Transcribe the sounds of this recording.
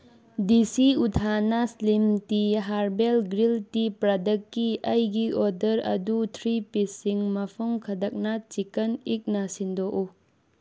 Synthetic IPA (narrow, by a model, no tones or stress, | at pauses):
disiutʰanaslimtiɦaɾbelɡɾiltipɾadɐkːiɐjɡiodɐɾɐ̰dutʰɾipesiŋmɐpʰɐmkʰɐdak̚nat͡ʃikɐnik̚nasindoʔu